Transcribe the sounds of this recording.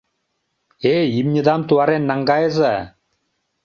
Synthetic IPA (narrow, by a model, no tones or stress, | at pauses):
eimɲʲəd̪amt̪uaɾenːaŋɡaeza